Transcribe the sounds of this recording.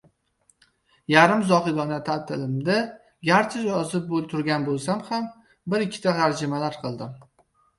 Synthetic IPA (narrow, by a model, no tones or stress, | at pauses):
jaɾɪmzɒχɨɡ̪ɒnat̪ʰat̪ʰɪlɪmd̪a | ɡʲaɾt͡ʃʰɪjɒzɪp̚bolˠt̪ʰʊɾɡʲanbolˠsamham | bɪɾɪkʲʰːɪ̥t̪ʰahaɾd͡ʒɪmalaɾqʰɨlˠd̪ɪm